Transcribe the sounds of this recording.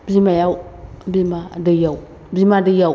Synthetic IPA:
bzimajawbimadajaw | bzimadajaw

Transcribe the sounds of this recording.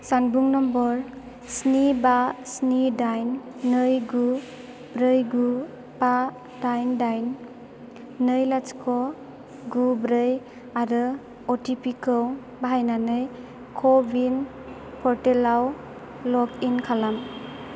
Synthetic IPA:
sanbuŋnɔmbɔɾ | snibasnidajnːɯjɡu | bɾɯjɡu | ba | dajndajnː | ɯjlat͡ʃkʰɔ | ɡubɾɯj | aɾɯ | ɔtʰipikɯw | baɦajnanɯj | kʰɔbin | pʰɔɾtelaw | lɔkinkʰalam

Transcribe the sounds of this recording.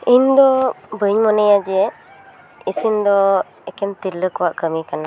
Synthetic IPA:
iɲd̪ɔbəɲmɔnɛjad͡ʒɛ | isind̪ɔ | ɛkɛmt̪iɾləkɔwaʔkəmikana

